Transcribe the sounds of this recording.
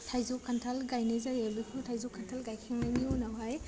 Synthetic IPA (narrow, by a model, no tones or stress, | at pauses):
tʰajzukʰːantʰalɡajnizajabɯkʰotʰajzukʰantʰalɡajkʰiŋmajniɔnawɦaj